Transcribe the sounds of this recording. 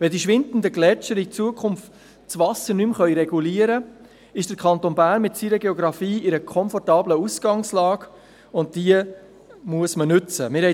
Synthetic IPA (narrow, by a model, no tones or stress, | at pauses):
ʋɛdiʃʋɪndn̩dəɡlɛt͡ʃəɾit͡suəkʰʊmft | t͡sʋɑsəɾnymχœʏɾɛɡuliəɾə | ɪʃd̥əɾkʰɑnt̪onbæːɾnmɪtsiːɾəɡeoɡɾɑfiːɪɾəkʰɔnfɔrtɑːbləusɡ̥ɑŋslɑːɡ | ʊnt̚d̥iə | muəsmənʏt͡səmɪɾhɛ